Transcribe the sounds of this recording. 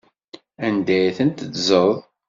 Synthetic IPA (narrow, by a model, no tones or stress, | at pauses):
ænd̪æjθənt̪əzəðˤ